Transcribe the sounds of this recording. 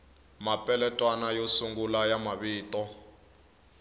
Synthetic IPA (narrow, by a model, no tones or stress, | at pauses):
mapʼɛlɛtʼwanajosuŋɡulajamaβiːtʼɔ